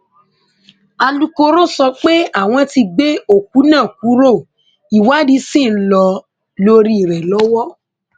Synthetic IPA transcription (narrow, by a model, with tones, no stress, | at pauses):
a˧lu˦ko˧ɾo˦sɔ˧k͡pe˦a˦˨w̃ɔ̃˧ti˧ɡ͡be˦o˦˨ku˨˦nãː˦˨k̚u˨˦ɾo˦˨ | i˨wa˦di˨˦sĩ˦˨˦lɔ˧ | lo˧ɾi˦i˨ɾɛ˨lɔ˨˦wɔ˦